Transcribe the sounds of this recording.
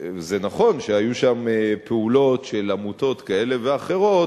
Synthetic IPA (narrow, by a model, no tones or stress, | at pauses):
zenaχo̞nʃeajuʃamepʰeulo̞tʃe̞lamuto̞t̪kae̞le̞veaχe̞ʁo̞t